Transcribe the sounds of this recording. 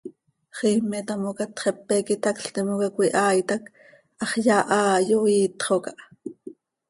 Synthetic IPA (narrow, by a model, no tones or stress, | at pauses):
χiːmːɛt̪ɑmokɑt̪χɛpːɛkit̪ɑkɬt̪imokɑkʷiʔɑːjt̪ɑk | ɑχjɑːʔɑːjoiːt̪χokɑʔ